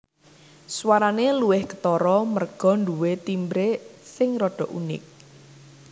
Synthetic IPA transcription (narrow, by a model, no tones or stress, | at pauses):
swaɾaneluwɪhkə̥t̪ɔɾɔmərɡ̥ɔ̤nɖuwet̪imbɾesɪŋrɔɖ̥ɔ̤ʔunɪ̰k̚